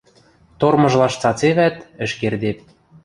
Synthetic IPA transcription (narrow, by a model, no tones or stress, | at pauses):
t̪ormɤ̆ʒlɑʃt͡sɑt͡seβæt̪ɘ̆ʃkerd̪ep̚